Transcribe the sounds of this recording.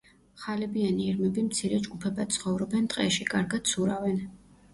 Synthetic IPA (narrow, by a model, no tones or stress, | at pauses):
χalɛbianiːɾmɛbimt̪sʰiɾɛd͡ʒɡupʰɛbat̪̚sʰχɔvɾɔbɛnt̪ʼqʼɛʃikʼaɾɡad̪sʰuɾavɛn